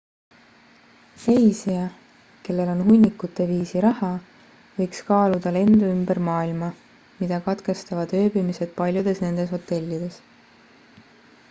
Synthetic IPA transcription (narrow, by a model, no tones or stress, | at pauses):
re̞jsiɑ | ke̞lːe̞lo̞nɦunʲːikːut̪ːˑe̞viːsiɾɑhɑ | vɤ̞jkskɑːlud̪̥ɑle̞nd̪uymbe̞ɾmɑːilmɑ | mid̪̥ɑkɑt̪ke̞st̪ɑvɑd̪ø̞ːbimise̞d̪̥̚pɑlʲjud̪̥e̞sne̞nd̪̥e̞sho̞t̪ːˑe̞lʲːid̪̥e̞s